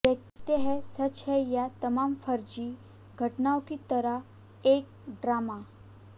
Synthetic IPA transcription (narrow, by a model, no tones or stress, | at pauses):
d̪ekt̪eɦɛsət͡ʃhɛjat̪əmaːmfʰəɾd͡ʑi | ɡʱəʈnaõkit̪əɾə | ek̚ | ɖɾaːma